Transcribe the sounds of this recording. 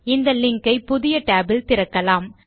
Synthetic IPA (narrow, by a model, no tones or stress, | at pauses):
ɪnd̪ɐlɪŋkɐɪpʊðɪjɐʈaːbɪlt̪ɪɾɐkːɐlaːm